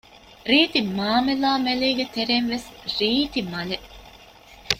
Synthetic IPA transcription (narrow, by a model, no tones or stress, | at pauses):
ɾiːt̪imaːmelaːmeleːɡet̪eɾenʋesɾiːt̪imɐle